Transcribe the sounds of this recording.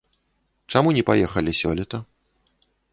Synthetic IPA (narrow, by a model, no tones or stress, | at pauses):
t͡ʂamunʲɛpajɛxɐlʲisʲɔ̰lʲɛt̪ɐ